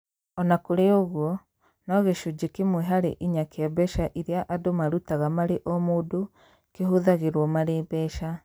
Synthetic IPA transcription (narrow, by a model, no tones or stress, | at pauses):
ɔnakoɾeoɣwɔ | nɔɣeʃod͡ʑekemweɦaɾḛʔiɲakeabɛʃaʔiɾeaʔadomaɾutaɣamaɾeʔɔmoːdo | keɦoðaɣeɾwɔmaɾeːbɛʃa